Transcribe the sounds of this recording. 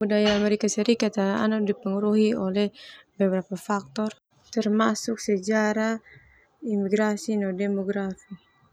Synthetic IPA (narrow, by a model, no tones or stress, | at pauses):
budajaːmɛɾikasɛɾikat̪aa̰nadipɛŋuɾuɦiɔlɛhbɛbɛɾapafak̚t̪ɔr | t̪ɛrmasuksɛd͡ʒaɾa | imiɡɾasinɔdɛmɔɡɾafi